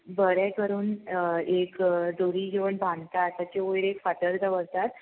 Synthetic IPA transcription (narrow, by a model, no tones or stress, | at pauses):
bəɾɛkəɾuːnekd̪oɾiːɡeʋəɳbʱãnt̪at̪ːat͡ɕeojɾekfat̪əɾd̪əʋəɾt̪at̪